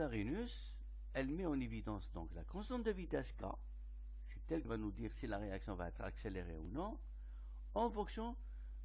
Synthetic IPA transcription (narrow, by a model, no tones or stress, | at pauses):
aʁinys | ɛlmɛɑ̃nevid̪ɑ̃sd̪ɔ̃klakɔ̃st̪ɑ̃d̪əvit̪ɛska̰ | sɛ̥t̪ɛlkəvanud̪iːʁsilaʁeaksjɔ̃vaɛt̪χa̰kseleʁḛunɔ̃ | ɑ̃fɔ̃ksjɔ̃